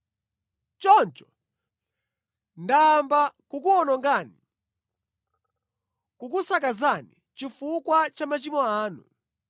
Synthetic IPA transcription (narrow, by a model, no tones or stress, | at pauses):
t͡ʃɔnt͡ʃɔ̥ | ndaːmbakukuɔnɔŋɡani | kukusakazani | t͡ʃifukwat͡ʃamat͡ʃimɔaːnṵ